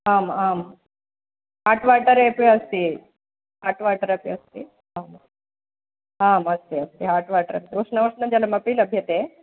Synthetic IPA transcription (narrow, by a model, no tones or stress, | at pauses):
aːmaːm | ɦaːʈʋaːʈɐɾepjɐst̪i | ɦaːʈʋaːʈɐɾɐpjɐst̪i | aːm | aːmɐst̪iɐst̪iɦaːʈʋaːʈɐɾɐ̰nt̪uuʂnɐʋuʂnɐd͡ʒɐlɐmɐpiːlɐbʱjɐt̪eː